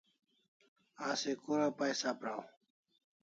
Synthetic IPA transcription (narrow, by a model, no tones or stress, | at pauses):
aːsekuːɾapajsaːpɾaːw